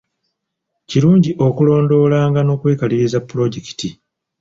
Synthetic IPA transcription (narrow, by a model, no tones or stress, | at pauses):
ciɾuːɲɟiʔo̞kulo̞ːndo̞laːŋɡano̞ːkweːkaliɾizapːuɾo̞ɟeki̥ti